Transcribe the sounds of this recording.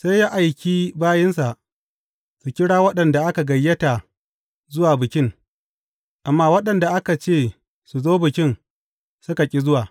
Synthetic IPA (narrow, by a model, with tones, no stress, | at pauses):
se˦jːa˦ʔa˨jkʲiː˦baː˦jɪ˦nsa˨ʔ | su˨kʲɪ˦ɽaː˦wɐ˦ɗɐ˨nda˨ʔa˦ka˨ɡɐ˨jːɐ˦ta˨ | zʊ˦waː˨bɪ˨kʲɪ˦ŋ | ʔa˨mːaː˦wɐ˦ɗɐ˨nda˨ʔa˦ka˨t͡ʃeː˦˨ | su˨zoː˦bɪ˨kʲɪ˦n | sʊ˦ka˨kʲʼi˦zʊ˦waː˨